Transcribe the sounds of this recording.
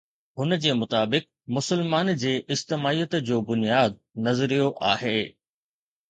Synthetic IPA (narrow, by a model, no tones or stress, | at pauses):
ɦʊnəd͡ʑeːmʊt̪aːbɪk̚ | mʊsəlmaːnd͡ʑeːʔɪd͡ʑt̪ɪmaːijət̪d͡ʑoːbʊnijaːd̪̚nɐzəɾijoʔaːɦeː